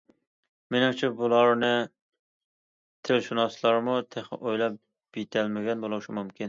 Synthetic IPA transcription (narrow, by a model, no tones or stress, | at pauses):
menɪŋt͡ʃʰibulˠɑɾnɨ | t̪ʰelʃunɑslˠɑɾmut̪ʰeχʔojlˠɑp̚ | b̥it̪ʰɛlmɪɡʲɛnbolˠuʃɪmumkʲin